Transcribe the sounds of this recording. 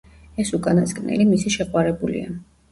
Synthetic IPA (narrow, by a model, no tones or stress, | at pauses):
ɛsukʼanaskʼnɛ̰limisiʃɛqʼwaɾɛbulḭa